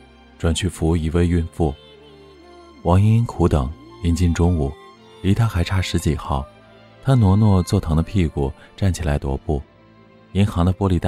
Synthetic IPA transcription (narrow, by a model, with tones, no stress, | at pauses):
ʈ͡ʂwa˨˩nt͡ɕʰy˥˩fu˧˥i˨˩we˥˧ɪy˥˧nfu˥˩ | wɑ˧˥ŋi˥nkʰu˧˥t̪ɤ̰˨˩˦ŋi˧˥nt͡ɕi˥˧nʈ͡ʂʊ˥ŋu˨˩˦ | li˧˥t̪ʰa˥xa˧˥ɪʈ͡ʂʰa˥˩ʂɻ̩˧˥t͡ɕi˨˩xɑ˥˩ʊ | t̪ʰa˥nwɔ˧˥nwɔ˥˧t͡swɔ˥˩t̪ʰɤ˧˥ŋd̪ə˧pʰi˥˩ku˨˩ʈ͡ʂa˥˩nt͡ɕʰi˨˩la˧˥ɪt̪wɔ̰˧˥pu˥˩ | i˧˥ŋxɑ˧˥ŋd̪ə˧pwɔ˥li˧˩t̪a˥